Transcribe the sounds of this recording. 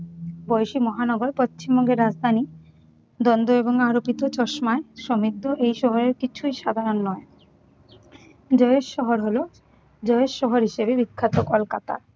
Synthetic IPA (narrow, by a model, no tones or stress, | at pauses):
bɔjʃimɔɦanɔɡoɾpott͡ɕimbɔŋɡeɾːad͡ʑd̪ʱani | d̪ɔnd̪oeboŋaɾopit̪ot͡ɕɔʃmaeʃɔmid̪ʱːoʔejʃɔɦoɾeɾkit͡ɕʰujʃad̪ʱaɾonːɔe | d͡ʑɔeeʃʃɔɦoɾɦolo | d͡ʑɔeʃʃːɔɦoɾɦiʃebebikʰːat̪okolkat̪a̰